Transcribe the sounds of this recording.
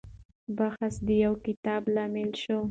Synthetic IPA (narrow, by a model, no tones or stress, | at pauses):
baxasd̪əjawkɪt̪ɑblɑmɪlʃo